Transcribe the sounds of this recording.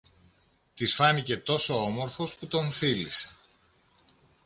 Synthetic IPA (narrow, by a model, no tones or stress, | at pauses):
t̪isfɐnice̞t̪o̞so̞omo̞ɾfosput̪o̞ɱfilise̥